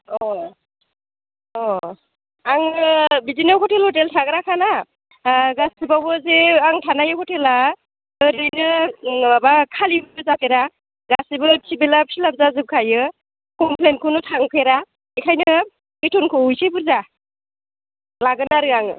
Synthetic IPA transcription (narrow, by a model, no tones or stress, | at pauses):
ɔ | ɔ | aŋɯbidinawkʰɔtelhɔteltʰaɡɯɾakʰana | ɡasibawbɯzeaŋtʰanajɯkʰɔtʰela | ɯɾɯjnɯbabakʰalibɯbɯzapʰeɾa | ɡasibɯtʰibelapsilab̚zazɯp̚kʰajɯ | kɔmpʰlen̚kʰɯnɯtʰaŋpʰeɾa | ekʰajnɯ | itʰɔnkʰɔujsebuɾza | laɡɯnaɾɯaŋ̰